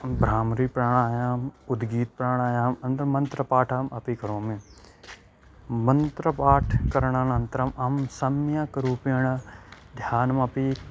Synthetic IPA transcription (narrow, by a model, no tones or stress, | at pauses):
bʱɾaːmɾipɾaːɳ̃aːjaːmʊd̪ɡiːt̪̚pɾaːɽ̃aːjaːmɐnt̪ɾɐmɐnt̪ɾɐpaːʈʰamɐpikɐɾõːmẽ | mɐnt̪ɾəpaːʈʰkɐɾɳanɐnt̪ɾɐmɐmsɐmjɐkɾuːpjɐɳ̃ad̪ʱjaːnmɐpi